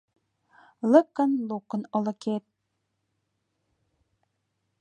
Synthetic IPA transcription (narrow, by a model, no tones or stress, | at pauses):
lɤ̆kːə̆nlˠukɤ̆nɤ̆lɤ̆ket̪̚